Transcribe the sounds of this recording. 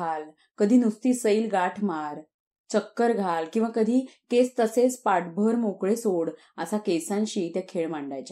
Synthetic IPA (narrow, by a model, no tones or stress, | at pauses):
al | kəd̪ʱiːnust̪iːsəiːlɡaʈʰmaɾ | t͡ɕəkːəɾɡʱalkĩw̃ʋakəd̪ʱiːket͡st̪əset͡spaʈbʱəɾmokɭesoɽ | əsakesãnɕiːt̪jakʰeɭmaɳɖajt͡ɕa